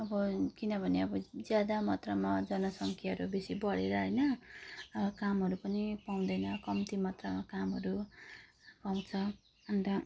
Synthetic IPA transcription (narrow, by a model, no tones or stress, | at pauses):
ʌbʌkinʌbʱʌneʌbʌd͡zjad̪amʌt̪ramad͡zʌnʌsʌŋkʰjaɦʌɾubesibʌɽeɾʌɦʌjnʌʌʌkamɦʌɾupʌnipaw̃d̪ʌjnʌkʌmt̪imʌt̪ramakamɦʌɾu | paw̃t͡sʰʌ | ʌnt̪ʌ